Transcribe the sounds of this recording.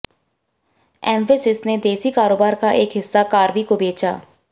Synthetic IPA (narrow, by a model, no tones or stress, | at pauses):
ɛːmʋesɪsneːd̪eːsiːkaːɾoːbaːɾkaːʔɪkɦɪsːaːkaːɾʋiːkobeːt͡ʃa̰ː